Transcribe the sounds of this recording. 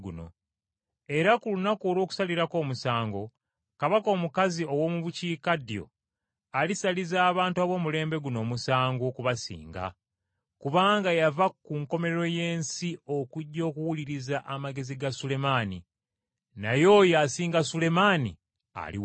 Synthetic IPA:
ɡuno̞̰ | e̞ɾakulunakoːlwo̞ːku̥saliɾako̞ːmusaːŋɡo̞ | kaβako̞ːmukazio̞wo̞ːmuβuciːkadjo̞̰ | alisalizaːβaːntuaβo̞ːmule̞ːmbe̞ɡuno̞ːmusaːŋɡokuβasḭːŋɡa̰ | kuβaːŋɡajavakuŋko̞me̞ɾeɾo̞je̞ːnsio̞kuɟːo̞ːkuwuliɾizaʔamaɡe̞ziɡasule̞maːni | najo̞ːjasiːŋɡasule̞manḭ | a̰lḭ

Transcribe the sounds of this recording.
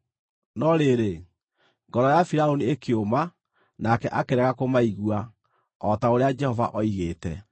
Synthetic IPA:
nɔɾeɾe | ŋɡɔɾɔjafiɾaoniekeoma | nakɛʔakeɾɛɣakomaiɣwa | ɔtaoɾead͡ʒɛhɔva̰ʔɔiɣeːtɛ̰

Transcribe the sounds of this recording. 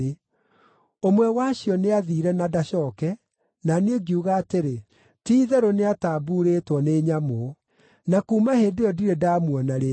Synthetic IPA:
e | omwɛwaɕjɔneaðiːɾɛnadaɕɔkɛ | naneɡiuɣaːteɾe | tiːðɛɾoneataːbuɾeːtwɔneːɲamo | nakuːmaheːdeɔdiɾɛdaːmwɔnaɾe

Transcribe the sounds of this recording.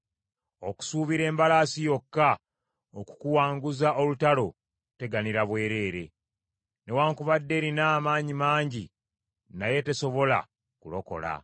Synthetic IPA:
oku̥suːβiɾe̞ːmbalasijo̞kːa | oku̥kuwaːŋɡuzaʔo̞lutalo̞ | te̞ɡaniɾaβwe̞ːɾe̞ːɾe̞ | ne̞waːŋkuβadːe̞ːɾinaːmaːɲimaːɲɟi | naje̞te̞so̞βo̞la̰ | kulo̞ko̞̰la̰

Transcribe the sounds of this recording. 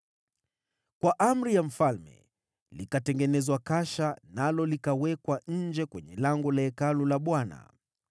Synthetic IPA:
kwaʔam̩ɾijam̩falmɛ̰ | likatɛŋɡɛnɛzwakaʃanalɔlikawɛkwaɲ̩d͡ʒɛkwɛɲɛlaŋɡɔlaɛkalulaɓwana̰

